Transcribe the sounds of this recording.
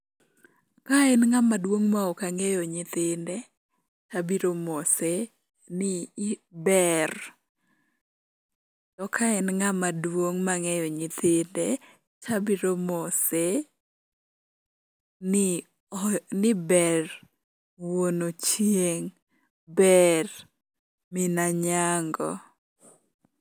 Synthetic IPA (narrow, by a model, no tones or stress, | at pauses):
kaɛnŋamadwoŋmaokaŋɛjɔɲɪt̪ɪndɛ | t͡ʃabiɾomɔsɛ | nɪbɛr | tɔkʰaɛnŋamadwoŋmaŋɛjɔɲɪt̪ɪndɛ | t͡ʃabiɾomose | nɪ | nɪbɛr | wonot͡ʃjeŋ | bɛr | mɪnaɲaŋɡɔ̰